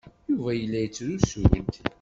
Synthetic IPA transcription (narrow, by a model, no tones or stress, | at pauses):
juvæjəlːæjət͡sːɾusṵlə̰nt̪